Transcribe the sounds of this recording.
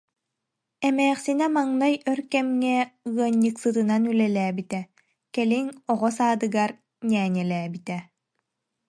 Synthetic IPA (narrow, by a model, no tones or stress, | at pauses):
ɛmɛːχsinɛmaŋnajœɾkɛmŋɛɯɐɲːɯksɯt̪ɯnanylɛlæːbit̪ɛ | kɛliŋɔʁɔsaːd̪ɯɡaɾ | nʲɛːɲɛlɛːbit̪ɛ